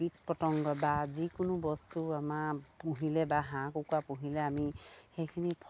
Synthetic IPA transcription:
it̚pɔtɔŋɡɔbazikʊnʊbɔstuamapuɦilɛbaɦãkukuapũɦilɛamixejkʰinipʰ

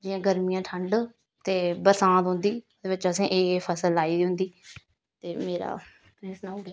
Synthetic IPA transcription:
d͡ʒɪjãːɡəɾmijãːʈʰəɳɖ | t̪eːbəɾsãːt̪ɦʊ̃nd̪iː | d̪eːʋɪt͡ʃəsẽːʔeːpʰəsəlaːiːd̪iɦʊ̃nd̪iː | t̪eːmeːɾa̰ː | ɾesnaːʊɽ

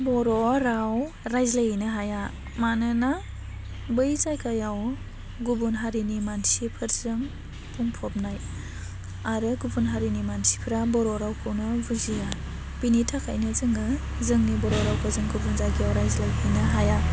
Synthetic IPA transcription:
bɔɾɔɾaw | ɾajzlajinɯɦaja | manɯna | bɯjzajkʰajaw | ɡubunɦaɾinimansipʰɯɾzɯŋ | pʰuŋpʰɔp̚naj | aɾɯɡubunɦaɾinimansi̥pʰɾabɔɾɔɾawkʰɯwnɯbuzija | b̥initʰakʰa̰jnɯzɯŋɯ | zɯŋnibɔɾɔɾawkʰɯzɯŋɡubunzajkʰijawɾajzlajbinɯɦaja

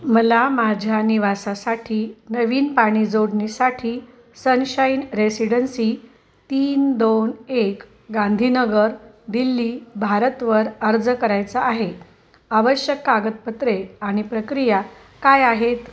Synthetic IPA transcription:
məlamad͡ʑʱjaniʋasasaʈʰiːnəʋiːnpaɽ̃id͡zoɽnisaʈʰiː | sənɕəjnɾesiɽənsi | t̪iːnd̪onek | ɡãnd̪ʱinəɡəɾ | d̪ilːiːbʱaɾət̪ʋəɾəɾd͡zkəɾajt͡saʔːɦe | aʋəɕjəkːaɡət̪̚pət̪ɾeaɽ̃ipɾəkɾija | kajaɦet̪

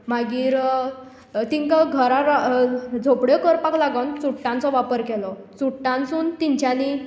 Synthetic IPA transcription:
maɡiːɾ | t̪iŋkaɡʱəɾaɾad͡zʱopɽjekəɾpaklaɡənt͡suʈːãnt͡sɔʋapəɾkɛlɔ | t͡suʈːãnsuːnt̪iɲt͡ɕjani

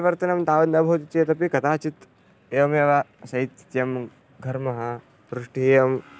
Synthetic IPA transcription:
ʋɐɾt̪ɐnɐmt̪aːʋɐd̪nɐbʱot̪it͡ʃet̪ɐp̬ikɐt̪aːt͡ʃit̪ | eːʋɐmeʋasɐit̪jɐm | ɡʱɐɾmɐɦɐ | ɾuʂʈieɐm

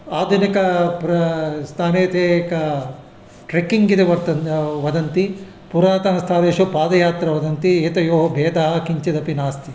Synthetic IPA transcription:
aːd̪ʱunikɐpɾɐst̪ʰaːneːt̪ʰeːkɐ | ʈɾekiŋɡid̪eʋɐɾt̪ɐʋɐd̪ɐnt̪i | puɾaːt̪ɐnɐst̪ʰaːʋeːʃupaːd̪ɐjaːt̪ɾɐʋɐd̪ɐnt̪ieːt̪ɐjoːɦɐbʱeːd̪aːɦɐkiɲt͡ʃɐd̪ɐpinaːst̪i

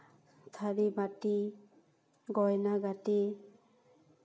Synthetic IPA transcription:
t̪ʰaɾibati | ɡɔjnaɡati

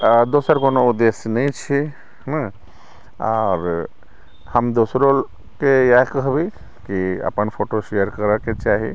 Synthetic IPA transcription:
d̪osəɾkonoud̪esnə̃ĩt͡ʃʰi | na | ɔːɾ | həmd̪osɾo | kejakəɦbi | kiə̰pənpʰoʈoʃejəɾkəɾəket͡ʃaːɦi

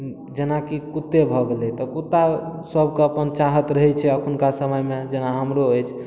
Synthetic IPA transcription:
d͡ʒenakikut̪ːebʱɔɡelɛt̪ɔkut̪ːasəb̚ʱkeəpənt͡ʃaɦət̪ɾəɦɛt͡ʃʰɛəkʰunkasəməjmed͡ʒenaɦəmɾoəjt͡ʃʰ

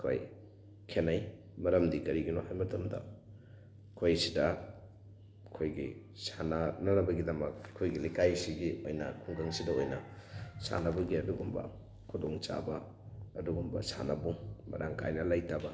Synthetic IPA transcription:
kʰo̰j | kʰenɐj | mɐɾɐmdikɐɾiɡinohajmɐtʰɐmdɐ̰ | kʰojsidɐ | kʰojɡḭ | sanɐnɐnɐbɐɡidɐmɐkʰːojɡilikajsiɡiojnɐ̰kʰuŋkɐŋsidɐojnɐsa̰nɐbɐɡiɐduɡumbɐ̰ | kʰudoŋt͡ʃa̰bɐ | ɐduɡumbɐ̰sa̰nɐbumɐ̰ɾaŋkʰa̰jnɐlajtabɐ

